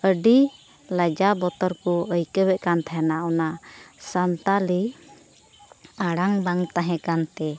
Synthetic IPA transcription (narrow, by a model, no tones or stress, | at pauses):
əɖi | lad͡ʒabɔt̪ɔɾkɔəjkəbɛʔkant̪ʰajanaɔnasant̪ali | aɽaŋbaŋt̪aɦɛ̃kant̪ɛ